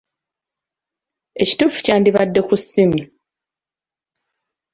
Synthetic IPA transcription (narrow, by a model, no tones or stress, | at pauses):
e̞ci̥tuːfu̥caːndiβadːe̞kusːimi